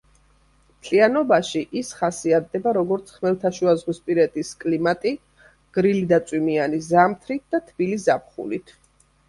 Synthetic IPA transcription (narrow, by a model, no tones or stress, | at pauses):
mt̪ʰʼlianɔbaʃiʔisχasiat̪̚d̪ɛbaɾɔɡɔɾt̪sʰχmɛlˠt̪ʰaʃuazʁwispʼiɾɛt̪ʼiskʼlimat̪ʼi | ɡ̥ɾilid̪at̪sʼwimianizamt̪ʰɾit̪̚ʰd̪̥at̪ʰb̥iliszap̚χṵlit̪ʰ